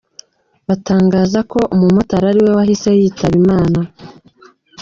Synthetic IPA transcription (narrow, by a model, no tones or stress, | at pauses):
βataːŋɡaːzako̞ʔumumotaɾaɾiwe̞wahise̞jiːtaβimaːna